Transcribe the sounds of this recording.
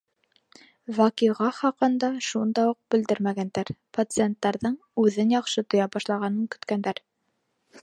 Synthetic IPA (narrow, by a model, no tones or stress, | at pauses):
vɑkiʁɑχɑqɤ̆nd̪ɑʃund̪ɑuq̚b̥ɘ̆ld̪ɘɾmæɡænd̪æɾpɐt̪sɨent̪ːɑɾðɤɴ | ʉðɘnjɑqʃɤt̪ŏjɑbɑʃlˠɑʁɑnɤŋkɵ̆t̪kænd̪æɾ